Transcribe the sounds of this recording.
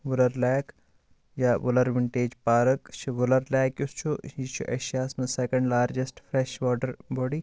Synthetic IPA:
ʋʊlɐɾlɛːk | jaːʋʊlɐɾʋɪɳʈeːd͡ʒpaːɾɐkt͡ʃʰiʋʊlɐɾlɛːkjust͡ʃʰuit͡ʃʰuʔɐʃjaːsmɐsekɐ̃ɳɖlaːɾd͡ʒesʈfɾeʃʋɔːʈɐɾbɔːɖi

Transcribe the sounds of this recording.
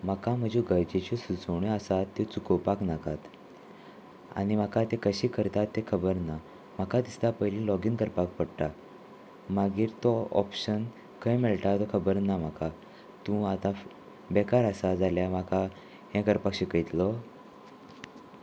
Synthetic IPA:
m̤akam̤əd͡ʑũɡəɾd͡ʑet͡ɕisut͡səɳiəsat̪ːot͡sukəwpaknakat̪ | a̰nim̤akat̪ekəɕiːkəɾt̪at̪ːekʰəbəɾna | m̤akat̪ist̪apəɦlĩlɔɡiːnkəɾpak̚pəɽʈ̪a | maɡiːɾt̪ɔɔ̰pɕən | kʰəjmeɭʈat̪ɔkʰəbəɾnam̤aka | t̪ũat̪ã | bɛkaɾəsad͡zaljamaka | hɛ̃kəɾpakɕikəjt̪lɔ

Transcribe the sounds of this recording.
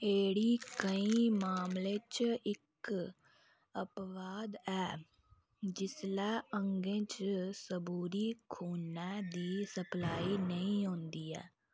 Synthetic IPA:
eːɽiːkəĩːmaːmlẽːt͡ʃɪk | əpʋaːd̪ɛː | d͡ʒɪslɛːəŋɡẽːt͡ʃsəbuːɾiːkʰuːnɛːd̪iːsəplaːiːnəĩːɦõːnd̪iːɛ̰ː

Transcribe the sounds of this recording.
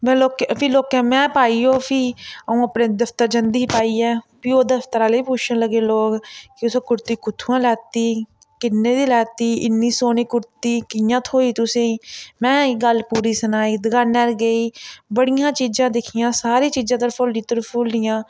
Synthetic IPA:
mɛ̃ːloːkpʰɪloːkɛ̃ːmɛ̃ːpaːiːoːpʰiəũːəpneːd̪əpt̪əɾd͡ʒənd̪iiːpaːiːɛːpioːd̪əpʰt̪əɾãːleiːput͡ʃʰənləɡeːloːkkɪʊsõːkʊɾt̪iːkʊt̪ʰːuːãːlɛːt̪iː | kɪnːẽːd̪iːlɛːt̪iːɪnːiːsoːniːkʊɾt̪iːkɪjãːt̪ʰoːiːt̪ʊsẽːmɛ̃ːɡəlpuːɾiːsənaːiːd̪əɡaːnəɾɡəiːbəɽɪjãːt͡ʃiːd͡ʒãːd̪ɪkʰɪjãːsaːɾiːt͡ʃiːd͡ʒãːt̪əɾpʰolːiːt̪əɾpʰuːldɪjãː

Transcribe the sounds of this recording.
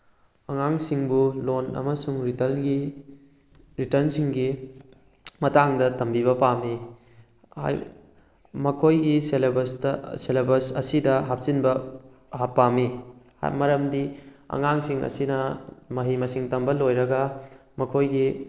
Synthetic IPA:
ɐŋaŋsiŋbulonɐ̰mɐsuŋɾitɐlɡi | ɾitɐɾnsiŋɡi | mɐtaŋdɐtɐmbiβɐpami | ha̰j | mɐkʰojɡiselbɐsselebɐɾsɐsidɐɦap̚sinbɐ | ɦapːamḭ | mɐɾɐmdiɐ̰ŋaŋsiŋɐ̰sinɐmɐɦimɐsiŋtɐmbɐlojɾɐɡɐmɐkʰojɡi

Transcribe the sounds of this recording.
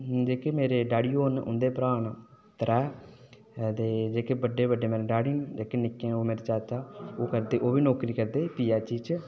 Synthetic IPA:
d͡ʒeːkeːmeːɾeːɖaːɽiːoːnʊ̰nd̪eːpɾaːn | t̪əɾɛː | t̪eːd͡ʒeːkeːbəɖːeːbəɖeːmeːɾeɖaːɽind͡ʒeːkenɪkːẽoːmeːɾet͡ʃaːt͡ʃaːoːkəɾd̪eːʔoːʋiːnoːkɾiːkəɾd̪eːpiːaːt͡ʃiːt͡ʃ

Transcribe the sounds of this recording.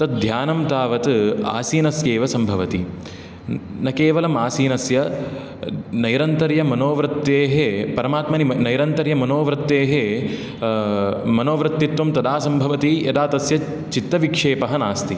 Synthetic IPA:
t̪ɐt̪̚d̪ʱjaːnɐmt̪aːʋɐt̪a̰ːsiːnɐsjeːʋɐsɐmbʱɐʋɐt̪i | nɐkeːʋɐlɐmaːsiːnɐsjɐ | nɐjɾɐnt̪ɐɾjɐmɐnoːʋɾɨt̪ːeːɦepɐɾɐmaːt̪mɐninɐjɾɐnt̪ɐɾjɐmɐnoːʋɾɨt̪ːeːɦe | mɐnoːʋɾɨt̪ːit̪ʋɐmt̪ɐd̪aːsɐmbʱɐʋɐt̪ijɐd̪aːt̪ɐsjɐ | t͡ʃit̪ːɐʋikʂeːpɐɦɐnaːst̪i

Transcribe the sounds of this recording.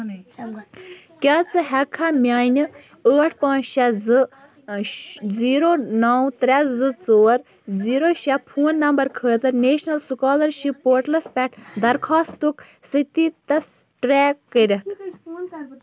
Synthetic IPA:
kʲaːt͡sɨɦɛkʰamʲaːinʲɨ | əːʈʰpãːt͡ʃʃɛzɨ | ziːɾoːnɐwt̪ɾʲɛzɨt͡soːɾ | ziːɾoːʃɛppʰuːnːɐmbɐɾkʰəːt̪ɐɾneːʃnɐlsukaːlɐɾʃipːoːɾʈlɐspʲɛʈʰd̪ɐɾkʰaːst̪uk | sɨt̪it̪ɐs | ʈɾɛːkːəɾʲɐkʰ

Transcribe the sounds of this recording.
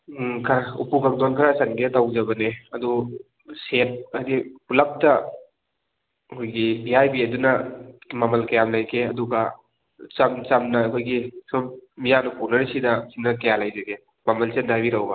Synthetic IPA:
kʰaṵpuɡak̚donkʰɐɾasɐnɡetawzɐbɐneɐdu | set̚adipulap̚tɐ | ɐkʰojɡibiajbiɐdunɐmamɐlkajamlɐjkʰeɐduɡa | t͡ʃɐmt͡ʃamnɐːkʰojɡisɔp̚mijanupunɐɾisidɐsinɐkajalɐjzɐɡe | mamɐlsendajbiɾawba

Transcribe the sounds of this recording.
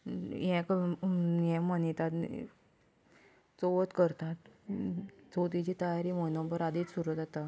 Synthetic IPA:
jɛ̃k | jɛ̃mənit̪at̪ | t͡soʋət̪kəɾt̪at̪ | t͡sot̪̬it͡ɕit̪əjaɾiːmənõbəɾad̪it͡ssuɾut̪at̪a

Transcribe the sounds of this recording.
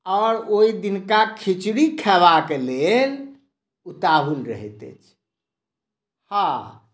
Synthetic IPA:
ɔːɾoid̪inkakʰit͡ʃɽikʰɛʋakelel | ut̪aɦulɾə̰ɦɛ̰t̪ḛt͡ʃʰ | hã

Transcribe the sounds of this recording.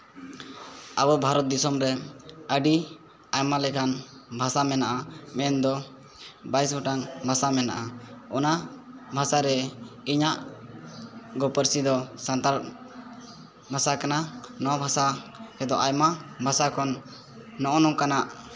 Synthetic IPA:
abɔbʱaɾɔt̪̚d̪isɔmɾɛəɖi | ajmalɛkanbʱasamɛnaʔamɛnd̪ɔ | bajsɡɔʈaŋbʱasamɛna̰ʔaɔna | bʱasaɾɛiɲaʔ | ɡɔpəɾsid̪ɔsant̪aɾ | bʱasakananɔwabʱasaɛd̪ɔʔajmabʱasakɔnː | ɔʔɔnɔkanaʔ

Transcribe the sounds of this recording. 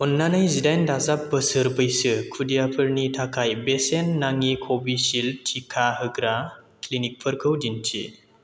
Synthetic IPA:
unːanajzidajndazapːəsɯɾbɯjsɯkʰudijapʰɯɾnitʰakʰajbesenːaŋikʰobisiltʰikʰahɯɡɾa | klinik̚pʰɯɾkʰɯwdintʰḭ

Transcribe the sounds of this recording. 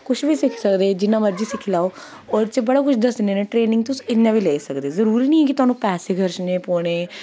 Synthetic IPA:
kʊʃʰbiːsɪkʰsəkd̪eːd͡ʒɪnːãːməɾd͡ʒiːsɪkʰlaːoː | ɔːɾt͡ʃebəɽaːkʊt͡ʃʰd̪əsneːneːʈɾeːnɪ̃ŋɡ̚t̪ʊsɪnːãːbiːlɛːsəkd̪eːzəɾuːɾiːnĩːɛːk̬ɪt̪ʊaːnũːpɛːseːkʰəɾʃneːpoːɽ̃eː

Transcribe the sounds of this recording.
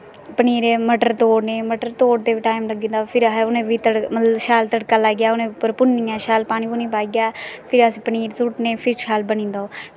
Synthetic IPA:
pəniːɾeːməʈəɾt̪oːɽneːməʈəɾt̪oːɽd̪eːʋiʈaːɪmləɡĩːnd̪aːpʰɪɾɦʊnẽːʋiːt̪əɽmət̪ləʃaːlt̪əɽkaːlaːɡjaːʊnẽːpəɾpʊnːĩːaːʃaːlpaːñiːpʊnĩːpaːiɡjaːpʰɪɾəsiːpəniːɾsʊʈnẽːpʰɪɾʃaːlbənĩːnd̪aoː

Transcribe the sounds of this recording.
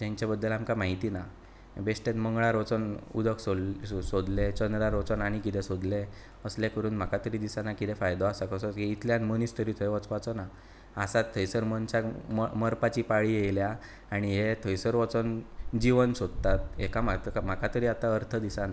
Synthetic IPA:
d͡ʑ̪ãɲt͡ɕjabəd̪ːəlamkamaɦit̪ina | besʈẽt̪məŋɡɭaɾot͡sənṵd̪əksosod̪let͡ɕənd̪ɾaɾot͡sənaɽ̃ikit̪ɛ̃sod̪le | əsljakəɾuːnm̤akat̪əɾiːd̪isanakit̪ɛ̃fajd̪ɔasakəsɔɦeit̪ʰljanmənist̪ʰəɾiːt̪ʰəjʋət͡spat͡sɔna | asat̪ʰːəjsəɾmənt͡ɕamməɾpat͡ɕipaɭijejlja | aɽ̃iɦet̪ʰəjsəɾʋɔt͡sənd͡ʑiʋənsod̪t̪at̪̚ekamam̤akat̪əɾiːat̪aəɾt̪ʰəd̪isana

